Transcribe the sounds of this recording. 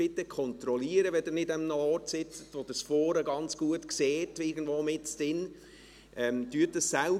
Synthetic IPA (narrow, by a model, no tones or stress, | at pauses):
ɪtːəkʰɔntɾɔliəɾəʋɛdɪɾnɪdəmnəɔɾtsɪt͡sə̥tʋod̥̪əsfɔːɾəɡɑnt͡sɡ̥uətkseːtɪɡən̩d̥̪voːmɪtt͡stɪn | ʔɛmtyətdəssæl